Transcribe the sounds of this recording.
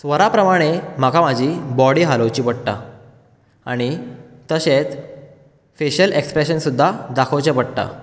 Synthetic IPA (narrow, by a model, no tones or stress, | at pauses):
sʋəɾapɾəmaɽ̃em̤akʰam̤ad͡ʑʱiːbɔɽiːɦaləwt͡ɕiːpəɽʈa̰ | a̰ɽ̃it̪əɕet͡s | feɕəlekspɾeɕənsud̪ʱːad̪akʰowt͡ɕẽpəɽʈ̪a̰